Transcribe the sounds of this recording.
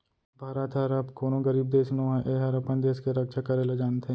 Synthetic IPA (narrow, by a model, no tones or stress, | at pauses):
bʱaːɾət̪ɦəɾɐbkoːnõɡɐɾiːb̚d̪eːʃnoɦɛ̃ʔeɦɐɾɐpənd̪eːskeɾɐkʃakɐɾeled͡ʒaːnt̪ʰe